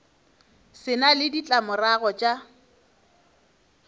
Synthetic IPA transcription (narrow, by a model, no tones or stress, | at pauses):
sɪnalɪdit͡ɬʼamʊraɣɔt͡ʃʼa